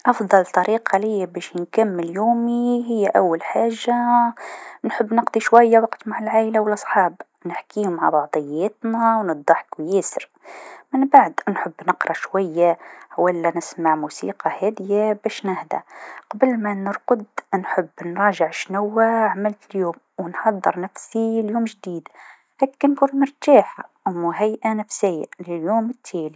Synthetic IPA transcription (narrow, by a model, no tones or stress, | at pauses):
ʔɑfd̪ˤɑlt̪ˤɑɾiːqʰɑlɪjːabæːʃnkamːəljuːmiɦɪjːæʔæwːælħaːʒːa | nħəbːnəqd̪ˤiʃwæjːawɑqt̪maʕalʕaːʔlawəlʔɑsˤħɑːb | nɪħkiːhʊmʕa̰bɑʕd̪ˤɨjːæːt̪næwnɨd̪ˤːɑħkwjæːsəɾ | mənbaʕd̪nħəbːnəqɾˤɑʃwajːawalːænɪsmaʕmuːsḭːqɑhæːd̪ɪjabæːʃnahd̪a̰qɑbəlmanəɾˤqʊd̪nħʊbːnɾˤɑːʒɪʕʃnawːaʕamɪlt̪ɪljuːm | wənħɑd̪ˤːə̰ɾˤnæfsiljuːmʒd̪iːd̪ | hæːkːænkuːnmʊɾˤt̪aːħa | mʊɦajʔanæfsɪjːalɪljuːmɪt̪ʰːæːli